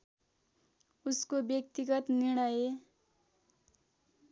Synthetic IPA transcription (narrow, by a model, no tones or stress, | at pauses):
uskobjʌk̚t̪iɡʌt̪niɽ̃ʌje